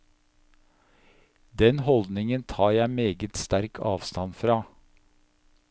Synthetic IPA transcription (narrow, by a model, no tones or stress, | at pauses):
d̪ɛnhɔld̪nɪŋənt̪ʰɑːjæɪmeːɡət̪st̪æɾkʰɑ̰ːʋst̪ɑnfɾɑː